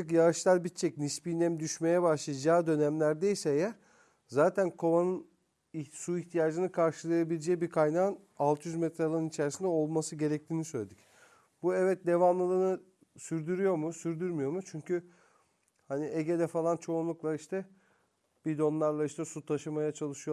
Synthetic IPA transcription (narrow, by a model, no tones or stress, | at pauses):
akjaɯʃlˠalʲbit̪t͡ʃʰːɛcnispinʲɛmd̪yʃme̞jɛbaʃlˠajad͡ʒaːd̪ø̞næmlʲæɾd̪eisɛjɛ | zaːt̪ʰænkʰo̞βanɯn | isuiçt̪ʰijaːd͡ʒɯnɯkʰaɾʃɯlˠajabilʲed͡ʒɛjibikʰajnaːɯn | alˠt̪ʰjyzmɛt̪ɾalˠanɯnit͡ʃʰæɾsind̪ɛo̞lˠmasɯɟe̞ɾɛc̚t̪ʰiːnisøjlʲed̪ic | buɛvɛt̪̚d̪e̞vamlˠɯlˠɯnɯ | syɾd̪yɾyjo̞ɾmusyɾd̪yɾmyjo̞ɾmut͡ʃʰyɲcʰy | hanieɟed̪ɛfalˠant͡ʃʰo̞unlˠuklˠaiʃt̪ʰɛ | b̥id̪o̞nlˠaɾlˠaiʃt̪ʰɛsut̪ʰaʃɯmajat͡ʃʰalˠɯʃɯjo